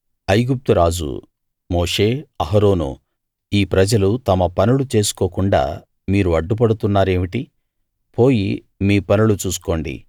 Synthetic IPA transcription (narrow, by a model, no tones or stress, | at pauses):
ɐjɡup̚t̪uɾaːd͡ʒṵ | moːʂe̞ːɐɦɐɾo̞ːno̰ː | iːpɾɐd͡ʒɐlut̪ɐmɐpɐnulut͡ʃe̞ːsu̥koːkuɳɖa̰ː | miːɾuɐɖːup̬ɐɽut̪unːaːɾe̞ːmiʈi | po̞ːji | miːpɐnulut͡ʃuːsu̥ko̞ːɳɖḭ